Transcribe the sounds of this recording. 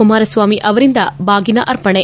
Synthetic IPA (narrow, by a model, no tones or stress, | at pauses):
umaːɾɐsʋaːmiʔɐʋɐɾind̪ɐbaːɡinɐʔɐɾpɐɳe